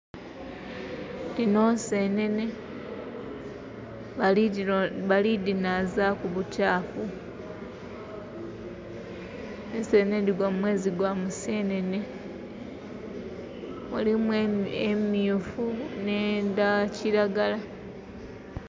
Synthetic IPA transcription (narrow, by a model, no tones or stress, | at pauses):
dino̞senene | βalidinazakuβutʰaːfu | esenendiɡwamumwe̞ːziɡwamuse̞ne̞ne̞ | mulimwemiufunendaciɾaɡala